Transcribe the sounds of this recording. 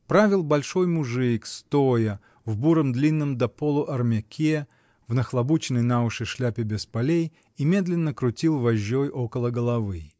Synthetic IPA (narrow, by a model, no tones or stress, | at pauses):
pɾavʲɪlˠbɐlʲʂo̞jmʊʐɨkst̪ojə | vbuɾəmd̪lʲinːɨmd̪ɐpolˠʊʔɐrmʲakʲʰe | vnəxlˠɐbut͡ɕɪnːəjnaʊʂɨʂlʲapʲɪbʲɪspɐlʲej | imʲe̞d̪lʲɪnːəkɾʊtʲilˠvɐʑːojʔo̞kəlˠəɡəlˠɐvɨ